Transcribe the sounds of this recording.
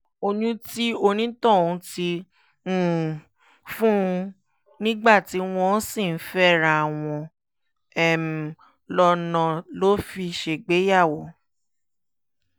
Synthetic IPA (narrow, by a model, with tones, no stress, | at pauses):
o˧nũ˦ti˦o˧nĩ˦tɔ̃˦˨ũ˧˦tĩ˧˦˨ | fũ˦˧ | nĩ˦ɡ͡ba˦˨ti˨˦w̃ɔ̃˧˦sĩ˦˨n̩˦fɛ˦˨ɾa˨a˨w̃ɔ̃˧ | ɛ˦˨m̩˨ | lɔ˧nã˨lo˦fi˧ʃe˧˨ɡ͡be˨˦ja˦˨wo˨˦